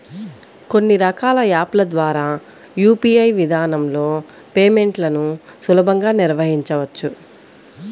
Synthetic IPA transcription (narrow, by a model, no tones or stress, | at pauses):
ko̞nːiɾɐkaːlɐjaːplɐd̪ʋaːɾaː | juːpiːɐjʋid̪ʱaːnɐmlo̞ː | pe̞ːme̞ɳʈlɐnusulɐbʱɐŋɡaːniɾʋɐɦiɲt͡ʃɐʋɐt͡ʃːu